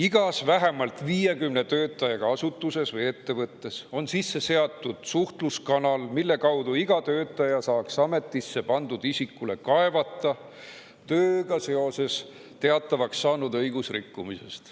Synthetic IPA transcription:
iɡ̥ɑsvæɦe̞mɑlt̪ˑviːje̞kymne̞t̪ø̞ːt̪ːˑɑjɑɡ̥ɑɑsut̪ˑːuse̞svɤje̞t̪ːe̞vɤt̪ːe̞so̞nsisːe̞se̞ɑt̪ːˑud̪̥suht̪luskɑnɑlmilːe̞kɑwd̪̥uiɡ̥ɑt̪ø̞ːt̪ːˑɑjɑsɑːksɑme̞t̪ˑːisːe̞pɑnd̪̥ud̪̥isikːule̞kɑe̞vɑt̪ˑːɑ | t̪øːɡ̥ɑse̞o̞se̞s | t̪e̞ɑt̪ːˑɑvɑksːɑːnud̪ɤjɡusrikːumise̞̰st̪

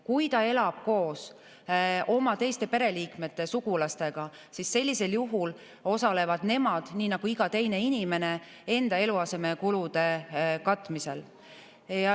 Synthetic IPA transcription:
kujt̪ɑe̞lɑb̥̚ko̞ːs | o̞mɑt̪e̞jst̪e̞pe̞ɾe̞liːkme̞t̪ːe̞suɡ̥ulɑst̪e̞ɡ̥ɑ | sisːe̞lʲːise̞ljuɦul | o̞sɑle̞vɑd̪ne̞mɑd̪̥niːnɑɡ̥uiɡ̥ɑt̪e̞jne̞inʲime̞ne̞ | e̞nd̪̥ɑe̞luɑse̞me̞kulud̪̥e̞kɑt̪ːˑmise̞̰l | jɑ

